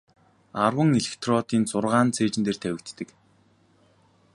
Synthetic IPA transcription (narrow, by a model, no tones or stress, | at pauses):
arwə̆ŋeɮĕkt̪ʰrɔt̪iːnt͡sʊrʁaːnt͡sʰeːt͡ɕɪ̆nt̪eːrt̪ʰæwʲɪ̆k̚t̪ːɘ̆k